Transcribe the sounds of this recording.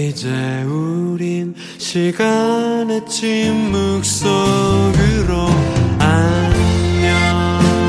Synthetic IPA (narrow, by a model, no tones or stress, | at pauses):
id͡ʑeuɾin | ɕʰiɡanet͡ɕʰimmuk̚s͈ʌɡɯɾoanʌ